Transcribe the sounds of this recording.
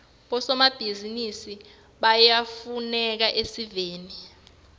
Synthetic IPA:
ɓɔsɔmab̥ʱizinisi | ɓajafunɛk̬aʔesiveːni

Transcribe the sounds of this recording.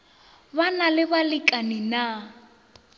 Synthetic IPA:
banalɪbalɪkʼanina

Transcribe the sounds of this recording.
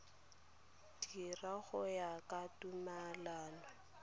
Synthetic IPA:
diraɣʊjakatʼumalaːnɔ

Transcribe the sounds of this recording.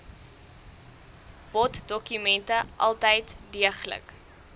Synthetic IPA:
b̥ɔtdɔkymɛntəʔɐ̰lˠtəjtdiəχlə̰k

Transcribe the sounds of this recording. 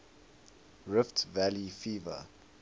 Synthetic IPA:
ɹɪftvælifiːvə̰

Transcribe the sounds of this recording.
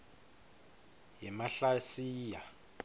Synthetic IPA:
jɛmaɬasiːja

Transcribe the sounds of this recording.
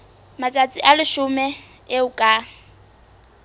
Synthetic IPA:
mat͡sʼat͡sʼɪʔalɪʃʊmɛ | eʊkʼa

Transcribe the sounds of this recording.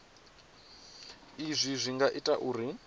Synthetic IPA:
izʷizʷiŋɡaʔitʼaʔuːɾi

